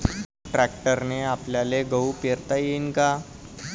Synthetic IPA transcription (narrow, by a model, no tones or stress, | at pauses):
ʈɾæk̚ʈəɾneapljaleɡəwpeɾt̪ajenka